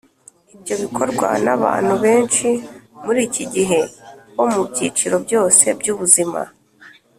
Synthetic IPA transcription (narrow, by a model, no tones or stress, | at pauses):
ibjo̞βikʰo̞ɾɡwa̰na̰βa̰ːn̥huβe̞ːnt͡ʃimuɾiːciɟiɦe̞βo̞mubɟiːt͡ʃiɾo̞bɟo̞ːse̞bɟuːβuzima̰